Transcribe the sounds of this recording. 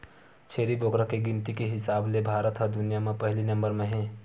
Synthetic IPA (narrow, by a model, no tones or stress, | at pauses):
t͡ʃʰeːɾiboːkɾəkeɡɪ̃nt̪ikeɦɪsaːblebʱaːɾət̪ɦəd̪ʊnijamẽpɐɦlinɐ̃mbəɾmẽɦɛ̃ː